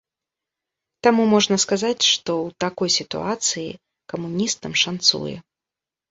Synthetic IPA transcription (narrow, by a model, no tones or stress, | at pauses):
t̪amumɔʐnɐskazat͡sʲʂt̪ɔwt̪akɔjsʲit̪ṵat̪sɨjḭ | kɐmunʲist̪ɐmʂant̪sṵjɛ̰